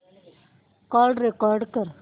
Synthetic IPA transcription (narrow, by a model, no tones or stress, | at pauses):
kaːɾɖɾekaːɾɖkɐɾ